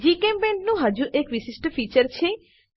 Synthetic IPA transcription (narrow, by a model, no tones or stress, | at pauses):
d͡ʑikembeɳɖnuɦad͡ʑuɾʔekʋisisʈofit͡ɕɐɾt͡ɕʰe